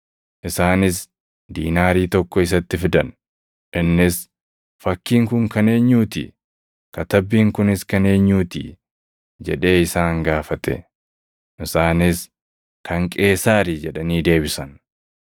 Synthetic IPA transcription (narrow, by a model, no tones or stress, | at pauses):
ʔɪsaːnɪs | d̪iːnaːɾiːt̪ɔkːɔɪs̬ɐt̪ːɪfɪd̪ɐn | ɪnːɪs | fɐkːiːŋkʊŋkɐne̞ːɲːuːt̪ḭ | kɐt̪ɐbːiːŋkʊnɪskɐne̞ːɲːuːt̪ḭː | d͡ʒɛᶑe̞ːɪsaːŋɡaːfɐt̪ɛ̰ | ʔɪsaːnɪs | kɐŋkʼe̞ːsaːɾiːd͡ʒɛᶑɐniːd̪e̞ːbɪsɐn